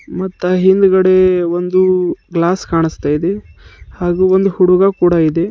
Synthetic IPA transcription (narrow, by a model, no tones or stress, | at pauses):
mɐt̪ːaɦind̪uɡɐɽe̞ʋond̪uɡlaːskaːɳist̪aːjid̪ehaːɡuːond̪uhuɽuɡakuːɽaid̪e̞